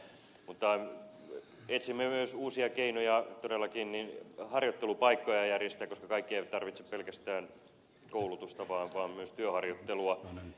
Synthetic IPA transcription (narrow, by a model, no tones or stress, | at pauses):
mut̪ːɑ | et̪simːemyøsuːsiɑkeinojɑt̪odelːˑɑkinninhɑrjot̪ːelupɑikːojɑjærjest̪æːkoskɑkɑikːieiʋæt̪ɑrʋit̪se̥ppelkæst̪æːn | koulut̪ust̪ɑʋɑːʋɑːmmyøst̪yøhɑrjot̪ːeluɑ